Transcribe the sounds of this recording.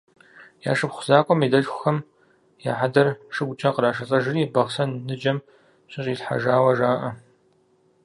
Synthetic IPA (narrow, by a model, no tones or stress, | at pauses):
ja̰ːʂɨpχʷʊzaːkʷʼɔmiːdɐɬxʷʊxɐm | ja̰ːħadɐrʂɨɡʷʊt͡ʃʼɐqəɾaːʂɐt͡sʼɐʒɨriːbɐʁsɐnnɨd͡ʒɐm | ɕʼɪɕʼiːɬħa̰ʒaːwɐʒaːʔɐ